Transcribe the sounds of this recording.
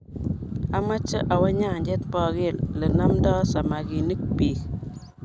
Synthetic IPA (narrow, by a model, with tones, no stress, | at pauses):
a˦ma˦t͡ʃə˦ʔa˨wa˦ɲa˦˨ɲd͡ʒɛ˦t̪pɔ˨ɡɪ˦˨llə˨na˦mdɔ˦sa˨ma˨ɡi˨ni˦k̚pi˨k